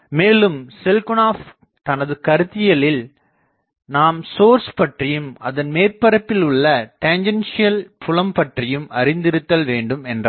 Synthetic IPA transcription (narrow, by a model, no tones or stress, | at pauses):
meːlɯmsɪlkʊnaːf | t̪ɐnɐðɯkɐɾɯt̪ːɪjɐlɪl | naːmsoːɾspɐʈrɪjɯmɐ̰ðɐnmeːrpɐɾɐpːɪlɯɭːɐʈɐɲd͡ʒɐnsɪjɐlpʰʊlɐmpɐʈrɪjɯmɐ̰ɾɪnd̪ɪɾɯt̪ːɐlʋeːɳɖɯmɛndrɐ